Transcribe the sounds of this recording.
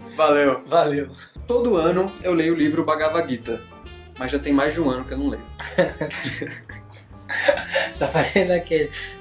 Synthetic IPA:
valewvalew | t̪od̪ʊɐ̃nʊewlejʊlivɾʊbaɡavaɡit̪ɐ | mɐzʒat̪ẽj̃majzd͡ʒɪũɐ̃nʊkɪewnɐ̃w̃lej | t̪afazẽnd̪ʊakel

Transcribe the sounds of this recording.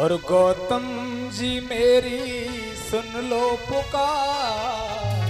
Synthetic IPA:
ɔɾɡɔːt̪əmd͡ʒiːmeːɾi | sənloːkokaː

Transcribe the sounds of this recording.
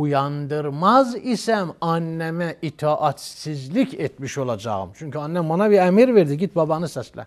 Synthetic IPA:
ujɑnd̪ɯɾmɑzisæmɑnːæmæʔit̪ʰɑːʔɑt̪sizlicʰet̪miʃo̞lˠɑd͡ʒɑ̰ɣɯ̰mt͡ʃʰyɲcʰyɑnːæmːɑnɑbiɾæmiɾveɾd̪iɟit̪̚bɑbɑnɯsæslæ̰

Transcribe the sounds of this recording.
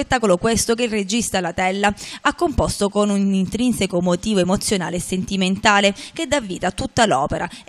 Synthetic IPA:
et̪ːaːkolokwest̪okeilred͡ʒist̪alat̪ɛlːaakːompost̪okonunint̪ɾinsekomot̪iːvoemot̪sːjona̰ːleːsːent̪iment̪aːlek̟ed̪avːiːt̪at̪ut̪ːalɔ̰ːpeɾa

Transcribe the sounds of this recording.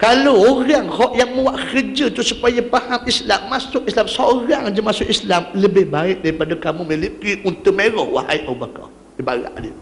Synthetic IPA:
kalowoɾaŋhɔʔjaŋmə̃waʔkərd͡ʒat̪usupajapahamislamːasʊk̚islamsoɾaŋd͡ʒəmãsʊk̚islamləbɪhbaɪʔ̚daɾipadakamũmelikiʔunt̪umeɾɔhwa̰ɦa̰jʔabakɔ̰ | ibaɾa̰ʔdə

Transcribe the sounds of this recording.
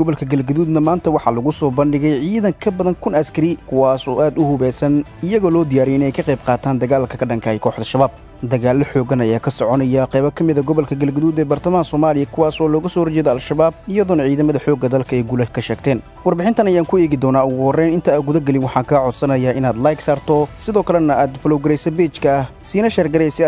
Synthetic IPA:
ɡɔβɔlkʰɐɡɐlɡɐðuːd̪nɐmaːnt̪ʰɐwɑħɑlɐɣʊsɔːbɐnɖɪɣɛjʕiːðɐŋkʰɐbɐðɐnkʰʊnɐskʰɐɾɪkʰʊwaːsɔːʔaːd̪ʊhʊβɛːsɐnɪjɐɣɔːlɔːd̪ɪjaːɾɛjɪnɛjkʰɐqɛjb̚qɑːt̪ʰaːnd̪ɐɣaːlkʰɐkʰɐɖɐŋkʰɐɛjkʰɔːħd̪ɐʃɐβaːb̚ | d̪ɐɣaːlːɔħɔːɣɐnɐjaːkʰɐsɔʕɔnɐjaqɛβɐkʰɐmɪðɐɡɔβɔlkʰɐɡɐlɡɐðuːd̪ɛːbɐrt̪ʰɐmaːnsɔːmaːlɪjɐkʰʊwɑːsɔːlɔːɣɐsɔːhɔrt͡ʃɛːðɐalʃɐβaːbɪjɐðɔnɐʕiːðɐmɐðɐħɔːɡɐd̪ɐlkʰɐɛːɡulɐkʰɐʃɛːɡt̪ʰɛːn | wɑrbɪħɪnt̪ʰɐnɐjaːŋkʰʊɛːɣɪd̪ɔːnaːʊɣʊhɔrɛnɪnt̪ʰɐːɡʊðɐɡɛlɪnwɑħɑːkʰaːʕɔd̪sɐnɐjaɪnaːd̪lajksaːrt̪ʰɔsɪðɔːkʰɐlɛnɐʔaːd̪fɔlɔwɡɐɾɛjsɛbɛːt͡ʃkʰɐsiːnɐʃɛrɡɐɾɛsɪ

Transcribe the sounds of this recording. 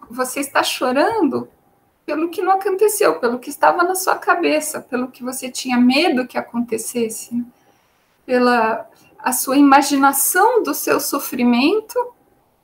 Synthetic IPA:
voseɪst̪aʃoɾɐ̃nd̪ʊ | pelʊkɪnɐ̃w̃akõnt̪esewpelʊkɪɪst̪avɐnɐsuɐkabesɐpelʊkɪvoset͡ʃĩɲɐmed̪ʊkɪakõnt̪esesɪ̥nɛ | pelɐ | ɐsuɐimaʒinasɐ̃w̃d̪ʊsewsofɾimẽnt̪ʊ

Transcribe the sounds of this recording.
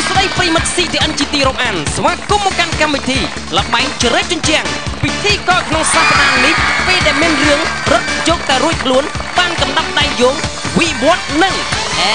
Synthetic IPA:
sɗəjprəjimɨt̪̚siːt̪ʰiəʔənt͡ɕiːt̪iːɾoːmʔaːnsʋaːkumːɔkankamʋit̪ʰiː | ləɓaɛŋt͡ɕɾɛːc̚t͡ɕʊɲt͡ɕɛ̆əŋpit̪ʰiːkɑːkʰnoŋsaːpaɗaːnihpeːlɗaɛlmiənrɨəŋrot̪̚jɔːk̚t̪aɛruəc̚kʰluən | ɓaːnkɑmɗɑp̪̚ɗaɛŋjoːŋ | ʋiʋŏət̪̚nɨŋ

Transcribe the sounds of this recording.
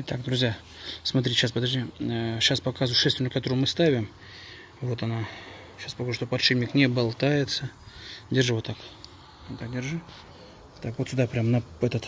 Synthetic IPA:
t̪akd̪ɾʊzʲja | smɐt̪̬ɾʲitʲɪɕaspəd̪ɐʐdʲiɕaspɐkazvʊʂɛst̪vʲɪnʲɪkɐt̪oɾʊjʊmɨst̪avʲɪm | vo̞t̪ɐna | ɕaspɐkaʐɨʂt̪opɐt̪ʂɨbʲnʲɪknʲɪbɐlˠt̪ajɪt̪sədʲɪrʐɨvot̪ːakʲ | at̪ak̚dʲɪrʐɨ | t̪akvo̞t̪sʲʊd̪apɾʲamnɐɛt̪ət̪

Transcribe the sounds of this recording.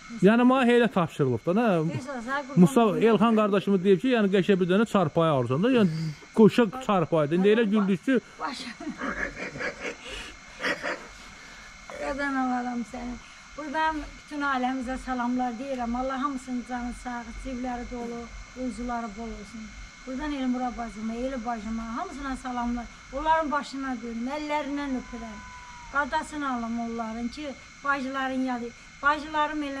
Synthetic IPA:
jæːnimɑɦejlæt̪ʰɑpʃɯɾɯlˠɯpd̪ɑnæzɡmusɑelxɑnɡɑɾd̪ɑʃɯmɯd̪ejip̚cʰijæːnɪɡæʃæbiɾd̪ænæt͡ʃʰɑɾpʰɑjolˠzɑnd̪ɑjæːnɡ̥oʃɑt͡ʃʰɑɾpʰɑjd̪ɯind̪ielæɟyɾd̪yst͡ʃybɑʃ | ɡad̪ɑnɑlɑd̪ɑmsæni | b̥uɾd̪ampʰy̥t̪ʰynɑlæmizæsɑlˠɑmlˠɑɾd̪ejiɾæmɑlˠːɑɦɑmɯsɯnzɑnɯsɑd͡zivlæɾid̪olˠuuzulˠɑɾɯbolˠoɾsun | b̥uɾd̪ɑnelmuɾɑbɑzɯmɑelæbɑʒɯmɑɦɑms̬ɯnɑsɑlˠɑmlˠɑɾ | olˠːɑɾɯnbɑʃɯnɑd̪eɾmælːæɾinænøpʰyɾæn | ɡ̥ɑd̪ɑsɯnɑlˠɯmolˠːɑɾɯncʰi | b̥ɑʒɯlˠɑɾɯnjɑd̪ɯ | b̥ɑʒɯlˠɑɾɯmel

